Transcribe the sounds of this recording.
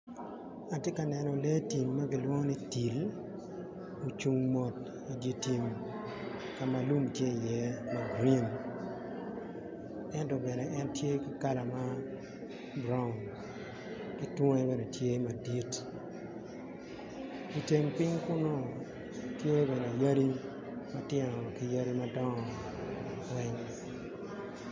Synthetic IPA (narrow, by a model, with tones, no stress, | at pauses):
a˨tje˦ka˨nɛ˨nɔ˨le˦ti˨mːa˦ɡi˨lwɔ˦ŋɔ˦ni˦ti˨l | o˨t͡ʃu˦ŋmɔ˨t | i˨dje˦ti˨m | ka˨ma˨lu˦mtje˦i˨jɛ˦ma˦ɡɾi˦n | ɛ˦ntɔ˨bɛ˨nɛ˨ʔɛ˦ntje˦kɪ˦ka˦la˨ma˦ | bɾa˦ʊ˨n | ki˦two˦ŋe˦be˨ne˨tje˦ma˨di˦t | i˨te˨ŋpɪ˦ŋkʊ˦nɔ˦ | tje˦bɛ˨ne˨ja˦ɾi˦ | ma˦tjɛ˦ŋɔ˨ki˨ja˦ɾi˦ma˦dɔ˦ŋɔ˨ | wɛ˦ŋ